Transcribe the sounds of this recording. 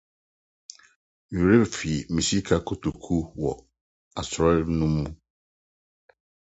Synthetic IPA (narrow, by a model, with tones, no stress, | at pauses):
u˨ɾe˦bfi˨mĩ˨si˦kʰa˦kʰo˨to˨kʰu˦wɔ˨ | a˨sɾɔ˦nʊ̃˦mũ˦